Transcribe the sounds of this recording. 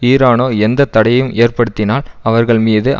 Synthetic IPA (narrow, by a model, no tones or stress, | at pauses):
iːɾaːnoːɛnd̪ɐt̪ːɐɽɐjjɯmʔeːɾpɐɽɯt̪ːɪnaːlɐʋɐɾɣɐɭmiːðɯʔ